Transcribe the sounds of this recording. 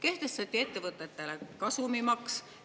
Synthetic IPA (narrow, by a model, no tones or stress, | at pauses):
ke̞ht̪e̞st̪ɑt̪ʲːˑie̞t̪ːe̞vɤt̪ːˑe̞t̪ːe̞lekɑsumimɑks